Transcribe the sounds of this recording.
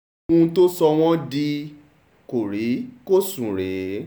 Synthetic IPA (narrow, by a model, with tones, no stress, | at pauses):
ũ˧˦to˦sɔ˧w̃ɔ̃˦di˧ | ko˨ɾi˨˦ko˦sũ˨ɾe˨